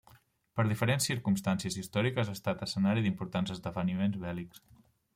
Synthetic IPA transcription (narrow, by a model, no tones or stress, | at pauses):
pəɾðifəɾensːiɾkumst̪ansiəzist̪ɔɾikəzast̪at̪əsənaɾiðimpuɾt̪anzəzd̪əβənimenzβɛliks